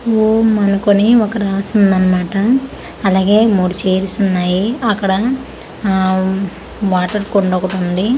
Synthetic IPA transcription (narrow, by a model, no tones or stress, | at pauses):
omɐnɐkoniɔkɐɾaːsund̪ɐnːɐmaːʈɐː | laːɡeːmuːɽit͡ʃeːɾisunːaːjiɐkːɐɽɐ | ʋaːʈɐɾkoɳɖoːkɐʈund̪i